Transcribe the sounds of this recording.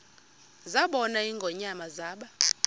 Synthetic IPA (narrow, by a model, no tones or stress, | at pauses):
zaɓɔnaiŋɡʱɔɲamazaːɓa